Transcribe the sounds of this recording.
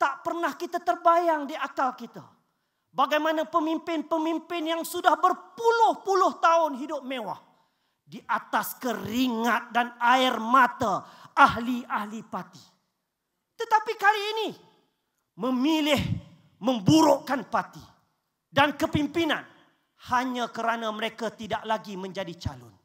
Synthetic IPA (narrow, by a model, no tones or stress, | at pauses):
t̪aʔpərnahkit̪at̪ərbajaŋdiʔakalkit̪a̰ | baɡajmanapəmimpɪnpəmimpɪnjaŋsudahbərpulʊhpulʊht̪aʊnɦidʊp̚mẽwa̰h | diʔat̪askəɾiŋat̪̚danaɪrmãt̪aaɦliahlipat̪i̥ | t̪ət̪apikaliːni | mə̃milɪh | mə̃mbuɾʊʔkanpat̪ḭ | dankəpimpinã̰n | haɲãkəɾanãməɾekat̪idaʔlaɡimə̃ɲd͡ʒadit͡ʃa̰lʊ̰n